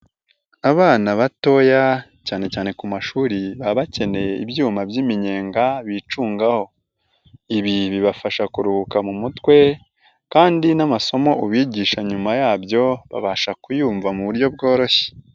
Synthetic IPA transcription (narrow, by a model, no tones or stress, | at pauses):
aβaːnaβato̞jacaːne̞caːne̞kumaʃuːɾiβaβace̞ne̞ḭbjuːmabjimiɲe̞ːŋɡaβit͡ʃuːŋɡaho̞ | iβiβiβafaʃakuɾuhukamumutwe̞ | kaːndinamaso̞mo̞ʔuβiːɟiːʃaɲumajaːbjo̞βa̰βaʃakujuːɱvamuβuɾjo̞b̚ɡo̞ːɾo̞çe̥